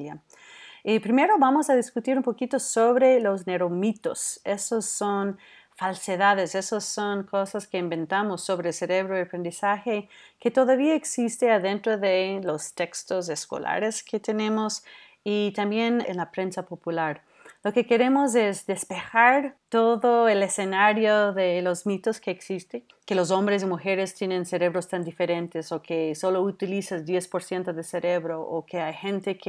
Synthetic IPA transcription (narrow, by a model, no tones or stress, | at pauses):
a | ipɾime̞ɾo̞βamo̞saðiskut̪iɾumpo̞kit̪osoβɾe̞lo̞z̬ne̞ɾomit̪ose̞soso̞n | falseðaðese̞soso̞ŋkosaskeimbẽ̞nt̪amosːo̞βɾese̞ɾe̞βɾoiapɾe̞nd̪isaxe̞ke̞t̪o̞ðaβiaeksist̪eaðe̞nt̪ɾoðelost̪e̞kst̪os̬esko̰lʔa̰ɾesket̪e̞ne̞mos | it̪ambje̞nḛnlapɾe̞nsapo̞pulaɾ | lo̞ke̞ke̞ɾe̞mo̞s̬ezðespe̞xaɾt̪oðoelese̞naɾjoðelozmit̪oskeːksist̪e | kelo̞s̬o̞mbɾes̬imuxe̞ɾest̪jenense̞ɾe̞β̞ɾo̞st̪and̪ife̞ɾe̞nt̪esokeso̞lo̞ut̪ilisazd̪je̞spo̞ɾsje̞nt̪oðeseɾeβɾoʔokeajxent̪ek